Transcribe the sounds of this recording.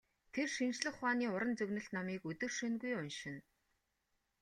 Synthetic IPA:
t̪ʰerʃint͡ɕɮɘ̆χwaːniːʊɾə̆nt͡sɵɣnɵ̆ɬt̪nɔmiːkɵt̪ɵ̆rʃɵnɡujʊnʃɪ̆n

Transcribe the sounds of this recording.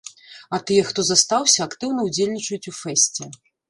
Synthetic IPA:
ɐt̪ɨjɛxt̪ɔzɐst̪awsʲɐːkt̪ɨwn̪ɐud͡zʲelʲnʲit͡ʂɐjut͡sʲufɛsʲt͡sʲɛ

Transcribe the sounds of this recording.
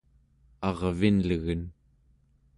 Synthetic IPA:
ɑʁvinləɣən

